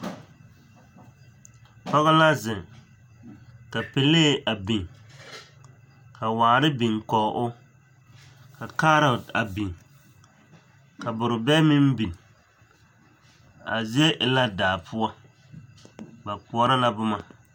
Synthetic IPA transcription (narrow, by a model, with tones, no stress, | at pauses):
pɔ˦ɣa˦la˦zɪ˨ŋ | ka˨pe˨leː˦˨ʔa˨bi˨ŋ | ka˨waː˨ɾɪ˦bi˨ŋkɔ˨ʔʊ˦ | ka˨kaː˦ɾa˨da˨bi˨ŋ | ka˨bʊ˨ɾʊ˨bɛ˦mɪ˦m˦bi˨n˨ | a̰˨zɛ˦ʔɪ˨la˦daː˨pʰʊ˦ɔ˦ | ba˨k͡pu˨ɔ˦ɾa˦la˦bʊ˦ma˨